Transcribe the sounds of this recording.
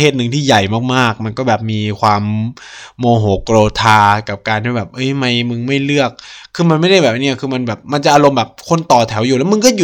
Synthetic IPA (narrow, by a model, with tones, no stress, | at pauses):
eː˥˩t̪̚nɯ˧ŋt̪ʰiː˥˩ja˨˩jmaː˥˩k̚maː˥˩k̚ma˧nkɔː˥˩bɛː˨˩p̚miː˧kʰwaː˧mː | oː˧ɦoː˩˦kɾoː˧t̪ʰaː˧ka˨˩p̚kaː˧nt̪ʰiː˥˩ɛː˨˩p̚ʔɤ˦˥˩jma˧˩jmɯ˧ŋma˥˩jlɯ˥˩ək̚ʰːɯː˧ma˧nma˥˩jɾa˥˩jbɛː˨˩p̚ni˥˩ɐkʰɯː˧ma˧nbɛː˨˩p̚ma˧nt͡ɕa˨˩ʔa˧lo˧mbɛː˨˩p̚kʰo˥˩˨nt̪ɔː˨˩t̪ʰɛ˩˦wjuː˨˩lːwmɯ˧ŋk̬ɔː˥˩ju˨˩